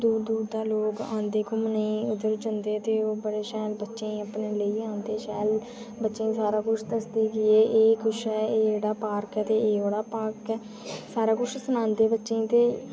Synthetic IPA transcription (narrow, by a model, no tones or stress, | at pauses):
d̪uːɾd̪uːɾd̪aːloːɡã̰ːnd̪eːkʊmnəĩːʊd̪əɾd͡ʒənd̪eːt̪eːoːbəɽeːʃɛːlbətːʃẽːəpneːləiːãːnd̪eːʃɛːl | bətːʃẽːsaːɾaːkʊt͡ʃʰd̪əsd̪eːkɪeːʔeːkʊʃɛːeːd͡ʒeːɽaːpaːɾkɛt̪eːeːoːɽaːpaːɾkɛː | saːɾaːkʊt͡ʃʰsənãːnd̪eːbətːʃẽːt̪eː